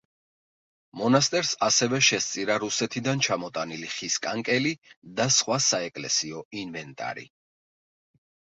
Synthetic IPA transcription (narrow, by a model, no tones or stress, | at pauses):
mɔnast̪ʼɛɾsasɛvɛʃɛst̪sʼiɾaɾusɛt̪ʰid̪ant͡ʃʰamɔt̪ʼaniliχiskʼaŋkʼɛlid̪asχwasaɛkʼlɛ̰siɔinvɛnt̪ʼa̰ɾḭ